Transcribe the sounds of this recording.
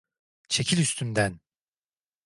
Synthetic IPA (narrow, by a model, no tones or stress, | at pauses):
t͡ʃʰe̞cʰilʲyst̪ʰynd̪æn